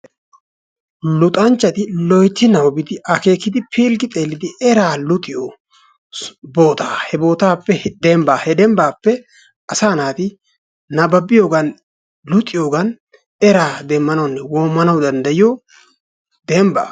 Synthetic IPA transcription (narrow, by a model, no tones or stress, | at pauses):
lʊt̪ʼɐnt͡ʃːɐt̪ɪlɔjt̪ːɪnɐwɔbɪd̪ɪʔɐke̞ːkːɪd̪ɪpʰeːlɡɪt̪ʼeːlːɪd̪ɪʔɛɾaːlʊt̪ʼɪjo | bo̞ːt̪aːhɛbo̞ːt̪aːpːɛd̪ɛmbaːhɛd̪ɛmbaːpːɛ | ɐsaːnaːt̪ɪ | nɐbɐbɪjoːɡɐn | lʊt̪ʼːɪjo̞ːɡɐn | ɛɾaːd̪ɛmːɐnɐwnːɛwoːmːɐnɐwd̪ɐnd̪ɐjɪjɔ | d̪ɛmba̰ː